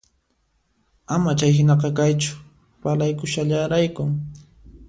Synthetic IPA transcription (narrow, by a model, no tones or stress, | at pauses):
amat͡ʃajɦɪnɑqɑkajt͡ʃʊ̥ | palajkʊʃaʎaɾajkʊ